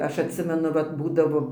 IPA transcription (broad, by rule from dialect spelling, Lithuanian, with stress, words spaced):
ˈɐʃ ɐtʲˈsʲɪmʲɛnʊ ˈʋɐt ˈbuːdɐʋoː